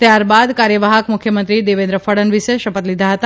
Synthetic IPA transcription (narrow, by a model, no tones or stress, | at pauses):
t̪jaɾbad̪kaɾjəʋaɦəkmʊkʰjəmənt̪ɾid̪eʋẽnd̪ɾəfʰəɽənʋiʃeʃəpət̪lid̪ʱaɦət̪a